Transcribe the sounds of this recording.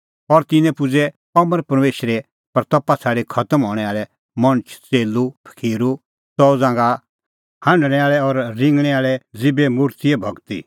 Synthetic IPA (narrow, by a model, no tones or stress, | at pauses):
ɔɾt̪ɪnɛ̃pʊd͡zɛ | ɔməɾpɐɾmeːʃəɾɛ | pɐɾt̪ɔpːat͡sʰaːɽekʰɐt̪əmɦɔːɽ̃ɛaːɭɛ | mɐ̃nt͡ʃʰt͡seːlupʰə̥kʰeːɾu | sɔd͡zãːŋɡa | hãɳɖɽ̃ɛ̃aːɭɛɔɾːɪ̃ŋɡɽ̃ɛaːɭɛd͡zɪbɛmʊɾt̪iɛbʱɐɡt̪ḭ